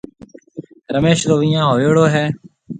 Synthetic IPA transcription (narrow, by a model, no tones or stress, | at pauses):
ɾəmeːʃɾoːʋɪjãːɦoːeːɽoːɦɛː